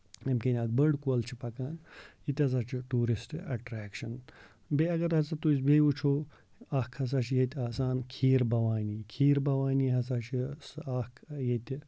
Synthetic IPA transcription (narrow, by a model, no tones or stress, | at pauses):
emkenʲaːd̪̚bəɾɖkuɐlt͡ʃʰi̥pɐkaːnit̪ʲɐz̬aːt͡ʃʰiʈuːɾisʈɐʈɾaːkʃɐn | beɐɡɐɾɐzɐt̪uisbejut͡ʃʰoː | ɐkʰhɐs̬aːt͡ʃʰijet̪ʲaːsaːnkʰiːɾbɐʋaːnʲiːkʰiːɾbɐʋaːniːɦɐs̬aːt͡ʃʰisakʰjet̪ʲi